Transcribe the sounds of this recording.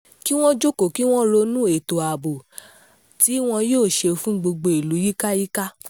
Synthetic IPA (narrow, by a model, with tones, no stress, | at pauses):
ki˦w̃ɔ̃˦d͡ʒo˦ko˨ki˦w̃ɔ̃˦lo˧nũ˦e˨to˨a˨bo˨ | ti˨˦w̃ɔ̃˧joː˦˨ʃe˧fũ˦ɡ͡bo˧ɡ͡bo˧i˨lu˨˦ji˦ka˦ji˦ka˦